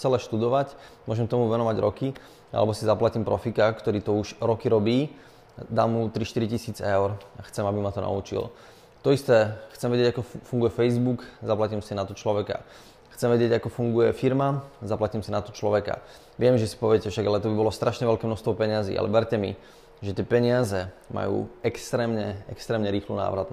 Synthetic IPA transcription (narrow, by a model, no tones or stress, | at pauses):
t͡sɛlɛʃt̪ud̪ɔʋacmʊɔʒɛmkt̪ɔmuʋɛnɔʋaɟɾɔki | a̰lɛbɔsizaplaciːmpɾɔfikakt̪ɔɾiːt̪ɔuʃɾɔkiɾɔbiː | d̪aːmːut̪ɾiʃt̪iɾicisiːd͡zɛʊɾaxt͡sɛmabimat̪ɔna̰ṵt͡ʃḭl | t̪ɔist̪ɛːxt͡sɛmʋɛɟɪɛɟakɔfuŋɡujɛfɛjzbukzaplaciːmsinat̪ɔt͡ʃlɔʋɛka̰ | xt͡sɛmʋɛɟɪɛɟakɔfuŋɡujɛfiɾmazaplaciːmsinat̪ɔt͡ʃlɔʋɛka̰ | ʋɪɛmʒɛsi̥pɔʋɪɛcɛfʃaɡalɛt̪ɔbibɔlɔst̪ɾaʃɲɛʋɛlkɛːmnɔʃst̪ʋɔpɛɲɪazḭːa̰lɛ̰ʋɛɾcɛmḭ | ʒɛt̪ɪɛpɛɲɪazɛma̰jṵːɛkst̪ɾɛːmɲɛɛkst̪ɾɛːmɲɛɾiːxlṵna̰ːʋɾat̪